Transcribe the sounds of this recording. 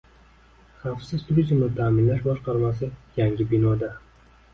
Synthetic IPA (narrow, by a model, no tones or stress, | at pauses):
χɑfsɪzt̪ʰuɾizmnɪt̪ʰaːmɪnlaʃbɒʃqɑɾmas̬ɪjaŋɡʲɪbɪnɒd̪a